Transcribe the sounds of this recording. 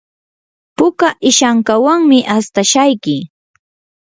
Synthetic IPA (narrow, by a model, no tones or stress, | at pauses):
pʊkaʔɪʃaŋkawaŋmɪʔast̪aʃajkɪ